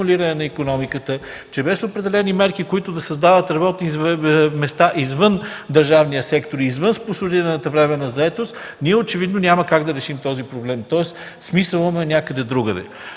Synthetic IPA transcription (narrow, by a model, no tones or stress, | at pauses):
liɾənɛnɐikonɔmikət̪ə | t͡ʃɛbɛsopɾɛd̪ɛlɛnimɛɾkikoit̪ʊd̪ɐsɐzd̪avət̪ɾɐbɔt̪nimɛst̪aʔizvənd̪ɐɾʒavnijəsɛkt̪oɾiːzvənspʊsʊd̪iɾɐnət̪əvɾɛmɛnɐzɐɛt̪ost̪ | niɛot͡ʃɛvid̪nonʲaməkaɡd̪ɐɾɛʃimt̪ɔzipɾoblɛmt̪ɔɛs | smisəlˠəmɛnʲakəd̪ɛd̪ɾuɡəd̪ɛ̰